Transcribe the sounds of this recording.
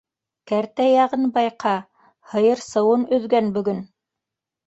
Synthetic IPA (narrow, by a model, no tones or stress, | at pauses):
kæɾt̪æjɑʁɤnbɑjqʰɑ | hɤ̆jɤɾsɤ̆wɤnɵ̆ðɡænbɵ̆ɡɵn